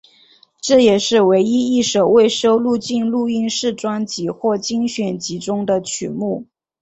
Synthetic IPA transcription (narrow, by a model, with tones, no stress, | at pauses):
ʈ͡ʂɤ˥˩jɛ˨˩ʂɻ̩˥˩we˧˥ɪi˥i˥˩ʂo˨˩ʊwe˥˩ɪʂo˥ʊlu˥˧t͡ɕi˥˧nlu˥˧i˥˧nʂɻ̩˥˩ʈ͡ʂwa˥nt͡ɕi˧˥xwɔ˥˩t͡ɕi˥ŋɕɥɛ˨˩nt͡ɕi˧˥ʈ͡ʂʊ˥ŋd̪ə˨t͡ɕʰy˨˩˦mu˥˩